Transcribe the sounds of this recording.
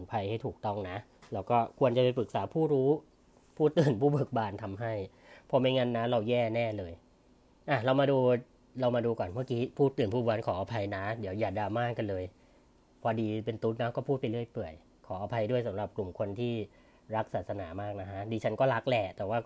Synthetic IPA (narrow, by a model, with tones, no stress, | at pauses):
pʰa˧jha˥˩jt̪ʰuː˨˩k̚t̪ɔ˥˩ŋna˦˥ʔ | lɛː˦˥wkɔː˥˩kʰu˧ənt͡ɕa˨˩pa˧jpɯ˨˩k̚saː˩˦pʰuː˥˩ɾuː˦˥ | pʰuː˥˩t̪ɯː˨˩npʰuː˥˩bɤ˨˩k̚baː˧nt̪ʰa˧mɦa˥˩j | pʰɔ˧ma˥˩jŋa˧nːa˦˥ɾa˧wjɛː˥˩nɛː˥˩lɤː˧j | ʔa˨˩ɾa˧wmaː˧duː˧ | ɾa˧wmaː˧duː˧kɔː˨˩nma˥˩kiː˦˥pʰuː˥˩t̪ːɯː˨˩npʰuː˥˩baː˧nkʰɔː˩˦ʔaː˧pʰa˧jna˦˥di˩˦wjaː˨˩daː˧maː˥˩kːa˧nlɤː˧j | pʰɔː˧diː˧pe˧nt̪u˦˥t̪̚na˦˥kɔː˥˩pʰuː˥˩t̪pa˧jlɯ˥˩əjpɯ˨˩əj | kʰɔː˩˦ʔa˧pʰa˧jdu˥˩jsa˩˦mɾa˨˩p̚klu˨˩mkʰo˧nt̪ʰiː˥˩ | ɾa˦˥k̚saː˨t̪̚sa˧naː˩˦maː˥˩k̚na˦˥kʰa˦˥diː˧t͡ɕʰa˦˥nkɔː˥˩la˦˥k̚lɛː˧˩t̪ɛː˨˩waː˥˩